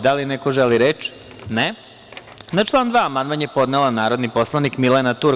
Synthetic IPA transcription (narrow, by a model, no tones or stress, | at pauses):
d̪alinekoʒeliɾet͡ʃ | ne | nat͡ʃlˠaːnd̪ʋaːmand̪manje̞po̞d̪nelˠanaːɾo̞d̪nipo̞slˠanikmilenat̪uɾ